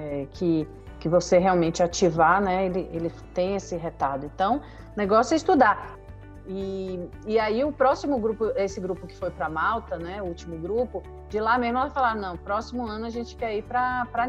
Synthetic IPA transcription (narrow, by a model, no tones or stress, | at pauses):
ɛkʰɪ | kɪvoseɦeawmẽt͡ʃɪat͡ʃivanɛelɪʔelɪ | t̪ẽj̃esɪɦet̪aɾd̪ʊẽnt̪ɐ̃w̃ | neɡɔsjʊɛist̪ud̪a | ɪ | ɪaiʊpɾɔsimʊɡɾupʊesɪɡɾupʊkɪ̥fojpɾɐmawt̪ɐnɛʊut͡ʃimʊɡɾupʊ | d͡ʒɪlamezmʊɛlafalaɾnɐ̃w̃pɾɔsimʊɐ̃nʊaʒẽnt͡ʃɪ̥kɛipɾɐpɾɐ